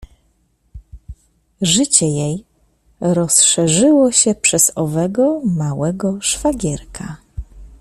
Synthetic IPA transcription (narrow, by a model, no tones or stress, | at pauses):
ʐɘt͡ɕɛjej | ɾɔsʂɛʐɘwɔɕɛpʂɛz̥ɔvɛɡɔmawɛɡɔʂfaɡʲɛɾkʰa